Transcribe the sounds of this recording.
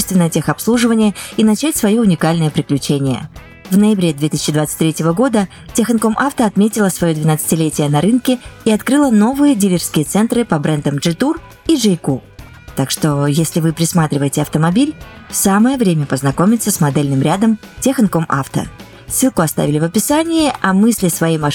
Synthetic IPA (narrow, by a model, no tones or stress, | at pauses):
ɪst̪vʲɪnəjətʲexɐpslˠuʐɨvənʲɪjəinɐt͡ɕætʲsvɐjoʊnʲɪkalʲnəjəpɾʲɪklʲʉt͡ɕenʲɪjə̰ | vnəjɪbɾʲe̞d̪vʲet̪ɨ̥isʲɪ̥t͡ɕːɪd̪vat̪sɨ̥t̚ʲt̪ʲɾʲetʲɪvəɡo̞d̪ə | tʲexənko̞mʔaft̪əɐt̪mʲetʲɪlˠəsvɐjod̪vʲɪnat̪sɨ̥tʲɪlʲetʲɪjənɐɾɨnkʲɪiɐt̪kɾɨlˠəno̞vɨjədʲilʲɪrskʲɪjət̪sɛnt̪ɾɨpɐbɾɛnd̪əmʐɨt̪ur | iʐɨjku | t̪akʂt̪o̞jesʲlʲɪvɨpɾʲɪsmat̪ɾʲɪvəjɪtʲɪɐft̪əmɐbʲilʲfsaməjəvɾʲemʲəpəznɐko̞mʲɪt̪səsmɐd̪ɛlʲnɨmɾʲad̪əmtʲexənkoma̰ft̪ə̰ | sɨlˠkʊɐst̪a̰vʲɪlʲɪvəpʲɪsanʲɪɪʔɐmɨsʲlʲɪsvɐimɐ